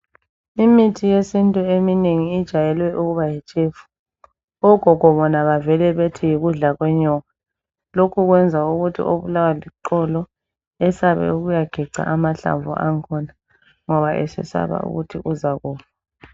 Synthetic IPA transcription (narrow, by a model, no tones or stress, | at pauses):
imitʰijesintʼuemineŋiːd̥ʒ̥ʱajɛlwɛʔuɣuβajɛt͡ʃʼeːfu̥ | ɔɡ̥ʱɔɣ̥ʱɔβɔnaβavɛlɛβetʰijiɣuɮaɣwɛɲɔːɣa | lokʰuɣwɛnd͡zʱauɣutʰḭʔo̰βulawaliǃɔlɔ | ɛsaβɛ̰uɣujaɡ̥ʱiǀa̰ʔamaɬa̰ɱvṵʔaŋkʰɔna | ŋɔβaʔɛ̰sɛ̰sa̰βa̰ṵɣutʰiʔuzaɣɔːβa